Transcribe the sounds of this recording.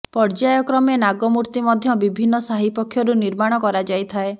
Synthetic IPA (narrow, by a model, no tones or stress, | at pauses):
pɔɾd͡ʒajɔkɾɔmenaɡɔmuɾt̪imɔd̪ʱjɔbibʱinːɔsaɦipɔkʰːjɔɾuniɾmaɽ̃ɔkɔɾad͡ʒajt̪ʰae